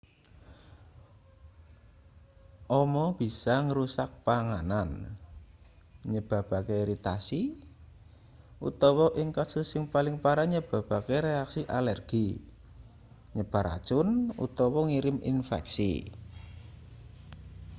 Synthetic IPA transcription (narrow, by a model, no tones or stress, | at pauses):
ʔɔmɔb̥i̤saŋəɾusak̚paŋanan | ɲəb̥a̤b̥a̤keiɾit̪asi | ṵt̪ɔwɔʔɪŋkasʊsːɪŋpalɪŋpaɾaɲəb̥a̤b̥a̤keɾeaksiʔalɛrɡ̥i | ɲəb̥a̤ɾa̰̥t͡ʃʊnṵt̪ɔwɔŋiɾɪmḭnfɛ̰ksḭ